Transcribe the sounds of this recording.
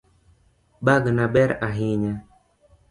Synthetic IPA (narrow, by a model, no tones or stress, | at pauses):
ɓaɡnaɓɛɾaɦiɲɛ